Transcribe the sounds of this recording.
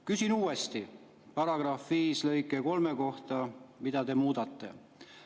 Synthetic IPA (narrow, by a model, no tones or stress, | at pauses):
kysinuːe̞st̪i | pɑɾɑɡ̥rɑfviːslɤ̞jkːˑeko̞lmeko̞ht̪ɑmid̪̥ɑd̪e̞muːd̪̥ɑt̪ˑːe̞̰